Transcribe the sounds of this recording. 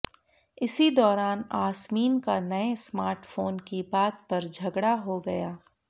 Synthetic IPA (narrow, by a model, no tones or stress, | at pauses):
ɪsid̪ɔːɾaːnaːsmiːnkanɐesmaːɾʈfoːnkibaːt̪pɐɾd͡ʒʱɐɡɽaɦoɡɐjaː